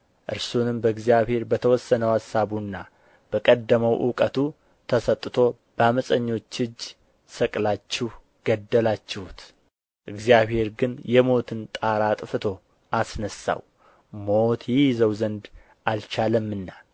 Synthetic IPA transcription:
ʔɨ̰ɾsunɨmbəɨɡzijaβhe̞ɾbət̪ʰəwɔsːənəwhasaβunːa | b̥əkʼəd̪ːəməwʔṵkʼət̪ʰu | t̪ʰəsət̪ʼːɨt̪ʰo̞ | b̥əaməsʼəɲːo̞t͡ʃːɨd͡ʒː | səkʼlat͡ʃːɪh | ɡ̥əd̪ːəlat͡ʃːɪhut̪ | ʔɨɡzijaβhe̞ɾɡɨnjɛmo̞t̪ʰɨnt̪ʼaɾat̪ʼfɨt̪ʰo̞ | ʔasnəsa̰w | mo̞t̪jɪjɪzəwzənd̪ | ʔalt͡ʃaləmːɨnːa

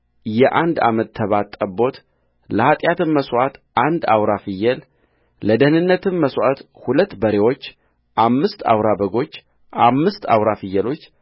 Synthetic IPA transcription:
jɛʔand̪a̰mət̪ʰːəβat̪ʼːəbo̞t̪ | ləhat̪ʼjat̪ɨnːəswat̪ʔand̪a̰wɾafɨjːɛl | ləd̪əhnɨnːət̪ɨmməswat̪ | hulət̪ːbəɾe̞wo̞t͡ʃː | ʔamːɨst̪a̰wɾabəɡo̞t͡ʃː | ʔamːɨst̪a̰wɾafɨjːɛlo̞t͡ʃː

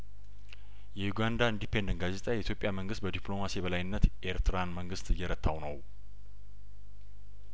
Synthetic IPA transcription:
jɛjuɡand̪aɨnd̪ipʰe̞nd̪ənɡazet̪ʼajɛit̪jo̞pʼjaməŋɡɨst̪̚bəd̪iplo̞masibəlajɨnːət̪ʔe̞ɾt̪ʰɨɾanməŋɡɨst̪ɨjːɛɾət̪ʰːawnəw

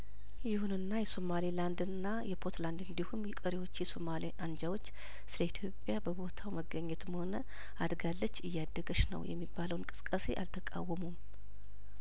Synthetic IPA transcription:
jɪhunɨnːajɛso̞maliland̪ɨnːajɛpʰot̪land̪ɨnd̪ihumjɛkʼəɾiwo̞t͡ʃːjɛsomaliʔand͡ʒawo̞t͡ʃː | sɨləit̪ʰjo̞pʼːjabəbo̞t̪ʰawməɡəɲːɛt̪ɨmho̞nə | ʔad̪ɡalːət͡ʃːɨjːad̪ːəɡəʃnə̰wjɛ̰mːibːaləwnkʼɨ̥sɨ̥kʼːəse̞̰ʔa̰lt̪ʰəkʼa̰wːəmum

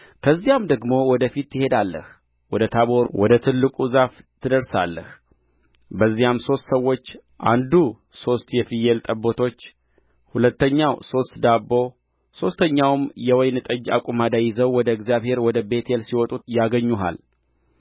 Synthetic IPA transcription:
kʰəzːijamd̪əɡmo̞wɔd̪əfit̪ːɨhe̞d̪alːə̰h | wɔd̪ət̪ʰaβo̞ɾwɔd̪ət̪ʰɨlːɨkʼuzaft̪ʰɨd̪əɾsa̰lːə̰h | bəzːijamso̞st̪səwːo̞t͡ʃː | ʔa̰nd̪u | so̞st̪jɛfɨjelt̪ʼəbːo̞t̪ʰo̞t͡ʃː | hulət̪ːəɲːawso̞st̪d̪abːo̞ | so̞st̪ʰəɲːawmjɛwɔjnɨt̪ʼəd͡ʒːa̰kʼumad̪ajɪzəwwɔd̪əɛɡzijaβhe̞ɾwɔd̪əbe̞t̪ʰelsiwɔt̪ʼujaɡəɲːuɦa̰l

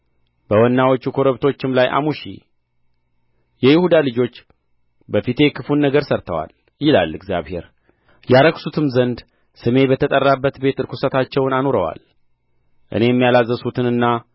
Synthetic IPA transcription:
bəwɔnːawot͡ʃːukʰoɾəβt̪ʰo̞t͡ʃːɪmlajʔa̰muʃḭ | jɛjɪhud̪alɨd͡ʒo̞t͡ʃː | bəfit̪ʰe̞kʰɨfunːəɡəɾsəɾt̪ʰəwa̰l | jɪla̰lːɨɡzjaβhe̞̰ɾ | jaɾəksut̪ʰɨmzənd̪ | sɨme̞bət̪ʰət̪ʼərːabːət̪be̞t̪ɨɾkʰusət̪ʰat͡ʃːɛwnano̞ɾəwa̰l | ʔɨ̰ne̞jɛmːijalazːəsut̪ʰɨnɨnːa

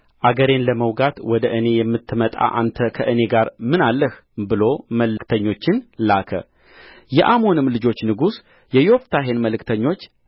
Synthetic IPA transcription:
ʔaɡəɾe̞nləməwɡat̪wɔd̪əʔɨne̞jɛmːɨt̪ʰːɨmət̪ʼa̰ʔa̰nt̪ʰəkʰəʔɨne̞ɡaɾmɨnalːəh | bɨlo̞məlɨkt̪ʰəɲːo̞t͡ʃːɪnlakʰə̰ | jɛʔamo̞nɨmlɨd͡ʒo̞t͡ʃːnɨɡus | jɛjo̞ft̪ʰaɦe̞nməlɨkt̪ʰəɲːo̞t͡ʃː

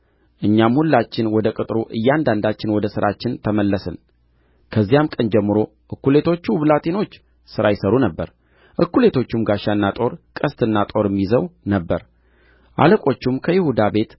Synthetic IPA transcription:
ʔɨɲːamhulːat͡ʃːɪnwɔd̪əkʼɨt̪ʼɾuʔɨjːand̪and̪at͡ʃːɪnwɔd̪əsɨɾʔat͡ʃːɪnt̪ʰəməlːəsɨ̰n | kʰəzːijamkʼənd͡ʒɛmːɨɾo̞ | ʔɨkːule̞t̪ʰo̞t͡ʃːuβlat̪ʼino̞t͡ʃː | sɨɾajɪsəɾunəbːəɾ | ʔɨkːule̞t̪ʰo̞t͡ʃːumɡaʃanːat̪ʼo̞ɾkʼəst̪ʰʼɨnːat̪ʼo̞ɾɨmːizəwnəbːəɾ | ʔa̰ləkʼo̞t͡ʃːumkʰəjɪhud̪abe̞t̪

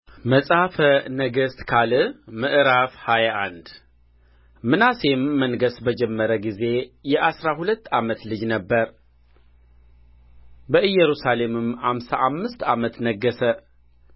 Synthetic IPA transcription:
məsʼhafənəɡəst̪kʰalɨmɨʔɨɾafhajaʔand̪ | mɨnase̞mːənɡəsbəd͡ʒɛmːəɾəɡize̞jɛʔasɾahulət̪ːamət̪lɨd͡ʒnəbːəɾ | bəʔɨjːɛɾusale̞mɨmhamsaʔamːɨst̪amət̪nəɡːəsə

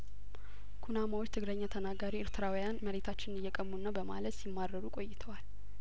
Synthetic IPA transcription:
kʰunamawo̞t͡ʃːt̪ʰɨɡləɲːat̪ʰənaɡaɾiɪɾt̪ʰɨɾawijanməɾe̞t̪ʰat͡ʃːɪnnɪjːɛkʼəmːunːabəma̰lət̪simːaɾːəɾukʼo̞jːɪt̪ʰəwal

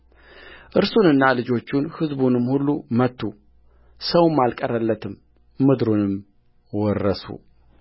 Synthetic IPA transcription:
ʔɨɾsunɨnːalɨd͡ʒo̞t͡ʃːunhɨzbunɨmːhulːumət̪ːu | səwmːalkʼərːəlːət̪ʰɨmː | ɨd̪ɾunɨm | wɔrːəsṵ

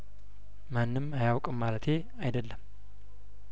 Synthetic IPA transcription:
manːɨmajawkʼɨmːalət̪ʰe̞ | ajd̪əlːəm

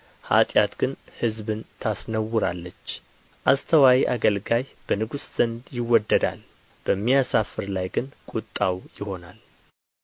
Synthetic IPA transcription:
ha̰t̪ʼjat̪ɡ̥ɨnhɨzbɨnt̪ʰasnəwːʊɾalːət͡ʃː | ʔast̪ʰəwawiʔaɡəlɡajb̥ənɨɡusz̥ənd̪jɪwːɔd̪ːəd̪a̰l | b̥əmːijasafɨɾlajɡɨnkʼut̪ʼːawjɪho̞nal

